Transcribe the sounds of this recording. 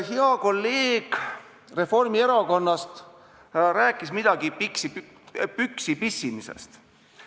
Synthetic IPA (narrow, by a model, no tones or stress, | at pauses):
ɦeɑko̞lːeːɡ̥ | re̞fo̞rmie̞ɾɑko̞nːɑst̪ | ɾæːkˑːismid̪̥ɑɡ̥ipiksip | pyksipisːimisḛst̪